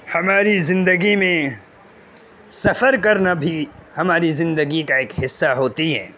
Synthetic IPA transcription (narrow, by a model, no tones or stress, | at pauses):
hɐmaːɾizɪ̃nd̪əɡimẽ | sɐfəɾkɐɾnabʱihɐmaːɾizɪ̃nd̪əɡikaeːkɦɪsːaɦoːt̪iɦɛ̰ː